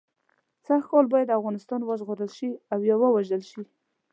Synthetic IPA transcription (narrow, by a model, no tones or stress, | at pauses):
saxkɑlbɑjad̪afɣɑnɪst̪ɑnwəʒɣoɾəlʃiawjɑwəwaʒəlʃi